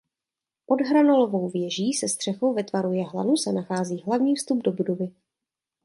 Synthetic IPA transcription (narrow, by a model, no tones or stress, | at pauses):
po̞dɦɾano̞lo̞vo̞wvjɛʒiːsɛst̪r̥ɛxo̞wvɛt̪vaɾujɛɦla̰nusɛnaxaːziːɦlavɲiːfst̪ubdo̞budovɪ